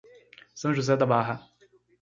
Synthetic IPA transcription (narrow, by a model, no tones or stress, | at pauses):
sɐ̃w̃ʒuzɛd̪abaɦɐ